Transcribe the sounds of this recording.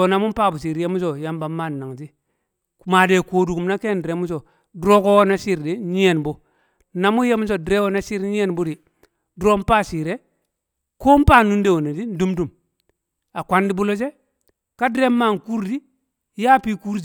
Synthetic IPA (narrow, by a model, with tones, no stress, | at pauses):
o˨na˨mu˦m˦pa˦˨bu˨si˨ɾje˦mu˦s̬o˨ja˦mba˨mːa˦˨nː˨a˨ŋti˦˨ | ma˨de˨koː˨du˨ku˨mna˦ke˦n˨de˨mu˦s̬o˨ | du˨ɾo˦ko˦wo˦na˦si˦ɾdi˦ɲi˦je˨nbo˦ | na˨mu˦je˦mu˦s̬o˨di˨ɾe˦wo˦na˦si˦ɾɲi˦e˦nbu˦di˨ | dɾo˦m˦pa˦si˨ɾe˦ | ko˦m˦pa˦˨nu˦nde˦˨wo˨ne˨di˦n̩˦du˦mdu˨m | a˨kʷa˦ndi˦bu˦lo˦d͡ʒ̬e˦ | ka˦dɾe˦mːa˦˨ŋku˦ɾdi˦ | ja˦pi˦ku˦ɾ